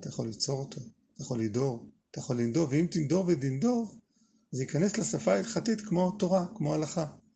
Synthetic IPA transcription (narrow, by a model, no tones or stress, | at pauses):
t̪ajaχo̞lːit͡so̞ʁotʰo̞ | t̪ajaχo̞lːido̞ʁat̪ajaχo̞lːind̪o̞veimt̪indo̞ʁvedindo̞v | zeikane̞slesafailχatitkmo̞to̞ʁakmo̞alaχa